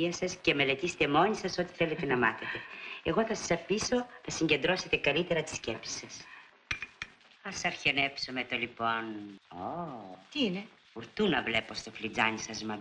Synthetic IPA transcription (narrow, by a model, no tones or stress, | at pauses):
iɐsɐsceme̞le̞t̪ise̥t̪emo̞ɲisɐso̞t̪i̥θe̞le̞t̪e̞nɐmɐθet̪e̞eɣo̞θɐsɐ̥sɐfiso̞nɐsiɲɟe̞nd̪ɾo̞se̞t̪e̞kɐlit̪e̞ɾɐt̪i̥sce̞psi̥sɐs | ɐsɐɾçenepsomet̪olipo̞not̪iine | fuɾt̪unɐvle̞po̞st̪o̞flid͡zɐɲisɐzmɐ